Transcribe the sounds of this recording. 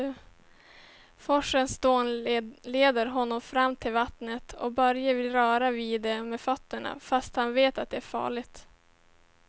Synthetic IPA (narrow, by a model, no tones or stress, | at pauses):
fɔʂənst̪oːnleːd̪əɾɦɔnːɔmfɾamːt̪ʰɪlvat̪nət̪ʰɔ̰bœɾjəvɪlɾœːɾaviːd̪ɛmeːfœt̪ːəɳa̰fast̪hanveːt̪at̪̚d̪ɛæɾfɑ̰ːɭɪɡt̪